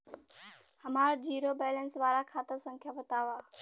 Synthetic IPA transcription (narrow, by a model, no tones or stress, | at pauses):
həmaːɾd͡ʒiːɾobɛːlənsʋaːɾakʰaːt̪əɾsə̃ŋkʰjabət̪aːʋaː